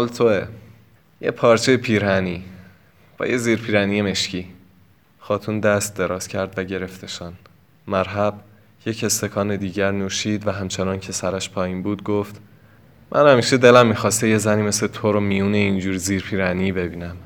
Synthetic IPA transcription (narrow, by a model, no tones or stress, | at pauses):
ɒːlt̪ʰoe | jḛpʰɒːɾt͡ʃʰejepʰiːɾhæniː | b̥ɒ̰ːjeziːɾpʰiːɾæniːjeme̞ʃciː | xɒːt̪ʰuːnd̪æst̪̚d̪e̞ɾɒːz̥cʰæɾd̪væɟe̞ɾeft̪eʃɒn | mæɾɦæb̥ | je̞ce̞st̪e̞kʰɒːned̪iːɟæɾnuːʃiːd̪væɦæmt͡ʃʰenɒːncʰe̞sæɾæʃpʰɒːjiːnbuːd̪ɡoft̪ | mʔæ̰nhæmiːʃe̞d̪e̞læmːiːxɒːst̪eje̞zæniːme̞slet̪ʰoɾomijuːneind͡ʒuːɾiziːɾpʰiːɾænibe̞biːnæm